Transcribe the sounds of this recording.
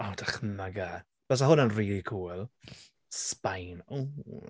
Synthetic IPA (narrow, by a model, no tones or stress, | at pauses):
ɔːdaχmaɡa | b̥ɛs̬aɦʊnənriːlikʰuːlˠ | spajno